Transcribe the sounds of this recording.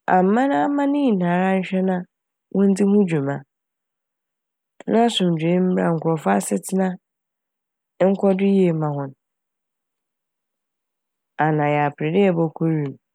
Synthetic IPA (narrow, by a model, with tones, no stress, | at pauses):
a̰˨m̩˨˦mã˦nã˦a˦mã˦nɪ̃˦i˨nãː˨ɾa˦ɲ̩˦ɕᶣɛ˦nã˦ | wʔɔ̃˦n̩˦di˦hʊ̃˦d͡ʑᶣu˨mã˨ | nã˦sʊ̃˨m̩˨d͡ʑᶣe˦m̩˦bɾa̰˨ŋ̩˨kʰʊ˨ɾɔ˨fʊ˦a˦sɪ˦tʰɪ˦nã˦ | ŋ̩˦kʰʷɔ˦dʊ˦ji˦e˨˦mã˨ɦʊ̃˨n | a˨nã˨ja˨pɾɪ˨dɪ˦ɛ˨bɔ˦kʰo˦ɾi˨m˨